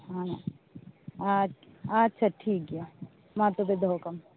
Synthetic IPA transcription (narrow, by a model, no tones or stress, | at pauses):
ɦã | atːʃʰaʈʰiːk̚ɡija | mãt̪obed̪ʱokɐm